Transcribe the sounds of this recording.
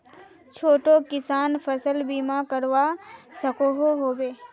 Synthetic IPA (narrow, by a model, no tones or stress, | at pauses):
t͡ʃʰoːʈokɪsaːnpʰəsəlbiːmãkəɾʋasəkoɦoɦoːbeː